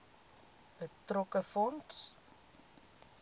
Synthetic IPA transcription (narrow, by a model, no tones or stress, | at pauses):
b̥ətrɔkəfɔnts